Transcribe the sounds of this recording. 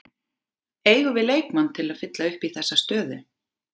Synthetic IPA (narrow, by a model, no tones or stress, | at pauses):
eːjɣʏvɪðleːjkmant̪ʰɪlaðfɪt̪laʏhpiθɛsːast̪œːðʏ